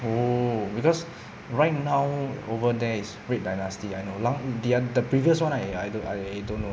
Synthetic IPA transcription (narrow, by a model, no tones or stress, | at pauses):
obikɔs | ɹajt̚nawovədɛisɡɹet̚dajnastiajnolãŋdeadəpɹiviəswãnajajdoajajdõnːo